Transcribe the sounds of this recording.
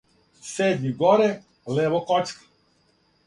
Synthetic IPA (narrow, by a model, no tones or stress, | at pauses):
seːd̪ɲiɡɔɾɛ | leʋokɔt͡ʃkḁ